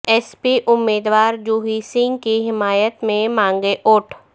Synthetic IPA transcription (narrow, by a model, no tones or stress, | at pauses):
ɛːspiʔʊmːeːd̪ʋaːɾd͡ʒuːɦiːsɪ̃ŋɡkiɦɪmaːjət̪mẽmãːŋɡeʔʊːʈʰ